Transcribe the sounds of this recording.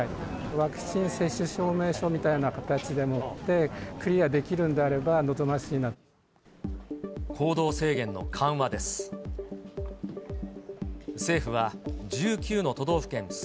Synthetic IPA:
βakɯ̟̥ɕĩɰ̃se̞ɕːɨɕo̞ːme̞ːɕo̞mʲit̪ainakat̪at͡ɕid̪e̞mo̞t̪ːe̞kɯ̟ɾʲiad̪e̞kʲiɾɯ̟̃nd̪e̞aɾe̞bano̞zo̞maɕiːna | kʰo̞ːd̪o̞ːse̞ːɡẽ̞nːo̞̰kʰãɰ̃βad̪e̞sɨ̥ | se̞ːɸɯ̟βad͡ʑɨːkʲɨːno̞t̪o̞d̪o̞ːɸɯ̟̥kẽ̞n

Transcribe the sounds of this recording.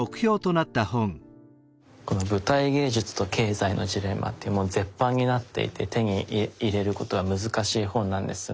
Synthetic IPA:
okɯ̟̥çʲo̞ːt̪o̞nat̪ːahõ̞ŋ | ko̞no̞bɯ̟t̪aiɡe̞ːʑɨt͡sɨ̥t̪o̞kʰe̞ːzainʔo̞̰d͡ʑiɾe̞ma̰t̪ːeɯmod͡ze̞pːãɲ̟ːinat̪ːe̞̰ḭt̪ʰe̞t̪e̞ɲ̟iːɾe̞ɾɯ̟ko̞t̪o̞ɡamɯ̟zɨkaɕiːhõ̞nːãnd̪e̞sɨ

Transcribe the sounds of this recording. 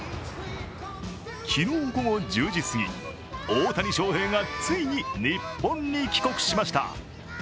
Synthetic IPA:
kʲʰinoːɡo̞ŋod͡ʑɨːd͡ʑisɨɡʲḭ | oːt̪aɾʲiɕo̞ːhẽ̞ŋɡat͡sɨiɲ̟inʲipːõ̞ɲ̟ːikʲi̥ko̞kɯ̟̥ɕimaɕi̥t̪a̰

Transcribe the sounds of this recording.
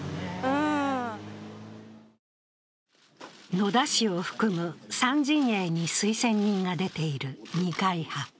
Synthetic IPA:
ɯ̃ː | no̞d̪aɕio̞ɸɯ̥kɯ̟mɯ̟sãɲ̟d͡ʑĩɰ̃eɲ̟isɨisẽ̞ɲ̟ːĩŋɡad̪e̞t̪e̞iɾɯ̟ɲ̟ikaiha

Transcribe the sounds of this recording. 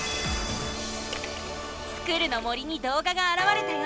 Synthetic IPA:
sɨ̥kɯɾɯ̟no̞moɾʲiɲ̟id̪o̞ːɡaɡaːɾaβaɾe̞t̪emo

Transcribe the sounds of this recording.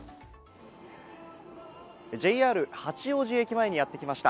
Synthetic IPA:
d͡ʑe̞iaːɾɯ̟hat͡ɕio̞ːʑie̞kʲimae̞ɲ̟ijat̪ːe̞kʲimaɕi̥t̪a

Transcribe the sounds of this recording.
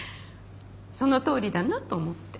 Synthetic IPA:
so̞no̞t̪o̞ːɾʲid̪anat̪oːmo̞t̪ːe̥

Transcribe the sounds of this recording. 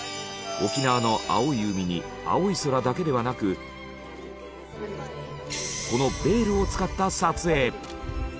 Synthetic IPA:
o̞kʲinaβano̞ʔa̰oiɯ̟mʲiɲ̟i | a̰oiso̞ɾad̪ake̞d̪e̞βanakɯ̟ | ko̞no̞be̞ːɾɯ̟o̞t͡sɨ̥kat̪ːasat͡sɨe̞ː

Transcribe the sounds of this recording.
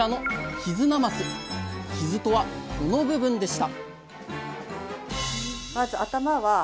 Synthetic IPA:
ano̞çizɨnamasɨçizɨt̪o̞βakonobɯ̟bɯ̟̃nd̪e̞ɕi̥t̪a | mazɨat̪amaβa

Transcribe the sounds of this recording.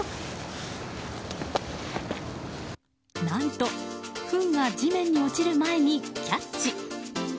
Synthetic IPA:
nãnt̪o̞ɸɯ̟̃ŋɡad͡ʑimẽ̞ɲ̟ːio̞t͡ɕiɾɯ̟mae̞ɲ̟ikʲat͡ɕi

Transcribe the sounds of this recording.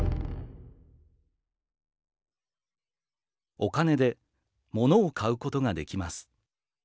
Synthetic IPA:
o̞kane̞d̪e̞ | mo̞no̞ːkʰaɯ̟ko̞t̪o̞ɡad̪e̞kʲimasɨ̥

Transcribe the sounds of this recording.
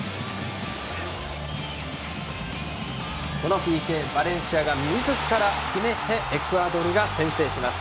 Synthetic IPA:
ko̞no̞ɸʲikẽ̞ːbaɾẽ̞ɰ̃ɕiaɡamʲiizɨkɯ̥kaɾakʲime̞t̪e̞ʔːkɯ̟ad̪o̞ɾɯ̟ɡasẽ̞ɰ̃se̞ːɕimasɨ̥

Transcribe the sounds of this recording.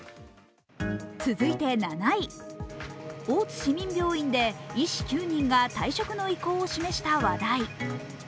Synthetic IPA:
t͡sɨzɨit̪e̞nanai | o̞ːt͡sɨ̥ɕimʲĩmbʲo̞ːĩnd̪e̞iɕi̥kʲɨːɲ̟ĩŋɡat̪aiɕo̞kɯ̟no̞iko̞ːɕime̞ɕi̥t̪aβad̪ai

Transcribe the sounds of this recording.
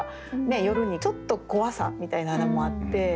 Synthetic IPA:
ne̞jo̞ɾɯ̟ɲ̟it͡ɕo̞t̪ːo̞ɡo̞βasã̰mmʲit̪ainaːnamo̞at̪ːe̞

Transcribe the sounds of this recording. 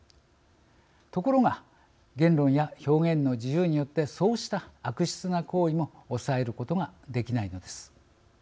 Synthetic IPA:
t̪o̞ko̞ɾo̞ŋa | ɡẽ̞nɾõ̞ɰ̃jaço̞ːɡẽ̞nːo̞d͡ʑijɯːɲ̟ijo̞t̪ːe̞so̞ːɕi̥t̪aːkɯ̟ɕi̥t͡sɨnako̞ːimo̞ːsae̞ɾɯ̟ko̞t̪o̞ɡad̪e̞kʲinaino̞d̪e̞sɨ̥

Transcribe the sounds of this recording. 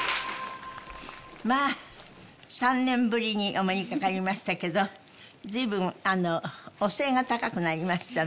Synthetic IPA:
maː | sãnnːẽ̞mbɯ̟ɾʲiɲ̟iʔomoɲʲikakaɾʲimaɕi̥t̪ake̞d̪o̞ | zɨːbɯ̟̃ŋanoose̞ːŋɡat̪akakɯ̟naɾʲimaɕi̥t̪a

